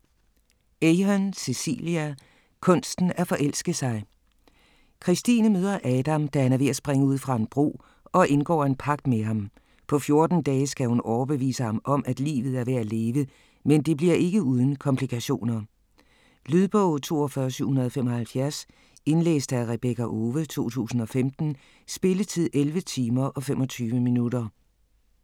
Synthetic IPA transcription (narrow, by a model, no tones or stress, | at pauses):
eɪɦɒnsesḭːliæ | kʰɔ̽nsd̥n̩æɐfɒ̽ʔel̰sɡ̥ðˠsɑ̈ɪ | kʰʁisd̥ḭːnəmøːð̞ˠɐʔɛːd̥æmd̥æhænæɐʋe̝æsb̥ʁeŋəuð̰ˠfʁɑ̈e̝nb̥ʁo̝̰ː | ɒ̽ʔe̝nɡ̥ɒ̰ːe̝npʰɑ̈ɡ̥d̥meɦɑ̈m | pʰɒ̽fjo̝ɐd̥n̩d̥ɛːsɡ̥æhunɒʊɐb̥e̝ʋḭːsəhɑ̈mʔɒ̽mæd̥lḭːʋð̞̩ˠæɐʋe̝æle̝ːʋə | mend̥e̝b̥liɐ̰ʔe̝ɡ̥əuːð̞ˠn̩kʰɒ̽mpʰlikʰæɕo̝̰ːnɐ | lyðˠb̥ɔʊt͡sʰo̝̰ːɒfɶːɐsyʊ̰hunɐð̞̩ˠɒfemɒ̽hælfjæɐs | e̝nlḛːsd̥æʁɛb̥ekʰæʔoːʋət͡sʰo̝̰ːt͡sʰṵːsn̩ɒ̽femd̥n̩ | sb̥e̝lət͡sʰið̞̰ˠʔelʋət͡sʰiːmɐʔɒ̽fem̰ʔɒ̽t͡sʰyːʋəminuɾ̥ɐ